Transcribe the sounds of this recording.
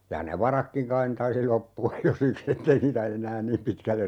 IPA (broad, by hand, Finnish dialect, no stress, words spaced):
jɑ ne ʋɑrɑkːiŋ kɑin ne tɑisi lopːuɑj jo siks etːei niːtæ enˑæːn niːm pitkælːer